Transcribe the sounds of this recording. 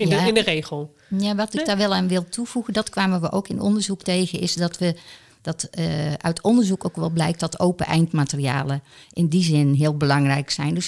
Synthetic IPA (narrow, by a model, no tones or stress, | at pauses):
jaɪndərejɣəl̩ˠ | jaʋɑtɪkdaːɹʋɛlˠaːnʋɪlˠtʰuv̥uɣəndɑtkʋaːməʋəʔo̰wkɪnʔɔ̰ndəɹzuktejɣənɪsdɔtʋə | d̥ɑtʔœ̰ɥtɔndəɹzukoːkʋɛlˠblɛjk̚tdɑtowpəʔɛ̰jntmaːtəria̰ːləʔɪndizɪnɦɪːəlˠbəlɑŋrɛjksɛjndøs